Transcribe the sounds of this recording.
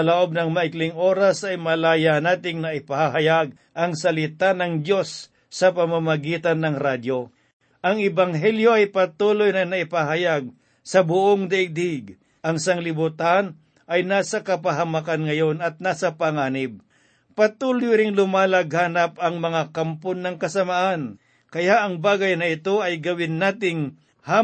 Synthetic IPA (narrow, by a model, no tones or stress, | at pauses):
ɐloʔo̞b̚nɐŋmɐʔɪklɪŋʔoːɾɐsɐjmɐlaːjanaːt̪ɪŋnɐʔɪpahaɦɐjaɡ̚ | ʔɐŋsɐlɪt̪anɐŋd̪jo̞sː | ɐpɐmamɐɡiːt̪ɐnːɐŋɾad̪jo | ʔɐŋɛbɐŋɦɛljo̞ɐjpɐt̪uːlojnɐnɐɪpaɦɐjaɡ̚ | sɐbʊʔoŋd̪ɐʔɪɡ̚d̪ɪɡ | ʔɐŋsaŋlɪbut̪an | ʔɐjnaːsɐkɐpɐɦɐmakanŋɐjo̞nɐt̪̚naːsɐpɐŋaːnɪb̚ | pɐt̪uːlojɾɪŋlʊmaːlɐɡ̚haːnɐpɐŋmɐŋakampʊnːɐŋkɐsɐmaʔan | kɐjaʔɐŋbaːɡɐjnɐɪt̪o̞ɐjɡɐwɪnːaːt̪ɪŋ | ha